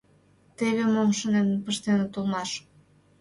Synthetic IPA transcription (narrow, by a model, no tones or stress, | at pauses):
t̪eβemomʃənempəʃt̪enet̪ulˠmɑʃ